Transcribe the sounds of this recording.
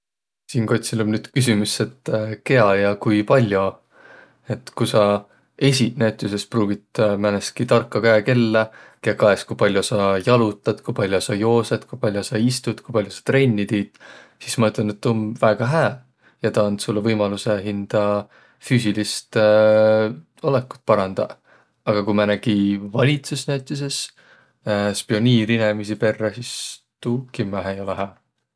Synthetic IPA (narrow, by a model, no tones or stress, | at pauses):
siːnko̞t̪ʲsilonnyːd̪̥kys̬imusːe̞t̪ːke̞ɑjɑkujpɑlʲjo | e̞t̪ːˑkusɑ | e̞s̬ʲit̪næt̪ːˑuse̞spruːɡit̪mæneskit̪ɑrkːɑkæeke̞lːekekɑe̞skujpɑlʲjosɑjɑlut̪ːˑɑd̪̥kujpɑlʲjosɑjo̞ːsed̪̥kujpɑlʲjosɑist̪ud̪̥kujpɑlʲjosɑ̥t̪re̞nʲːit̪iːt̪sismɑet̪lenet̪ːonvæːɡ̥ɑɦæː | jɑt̪ɑɑnd̪sulːevɤjmɑluseɦind̪̥ɑ | fyːsilist̪ | olekːu̥t̪̚ːˑpɑɾɑnd̪̥ɑ̰ | ɑɡ̥ɑkumɑnæɡ̥ivɑlʲit̪susnæt̪ʲːˑis̬es | spio̞nʲiːɾinemis̬ipe̞rːɑsis | t̪uːkimːæɦejo̞leɦæː